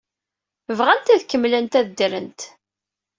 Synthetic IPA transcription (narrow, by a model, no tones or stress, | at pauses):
vʁænt̪æðkəmːlənt̪æðd̪ɾənt̪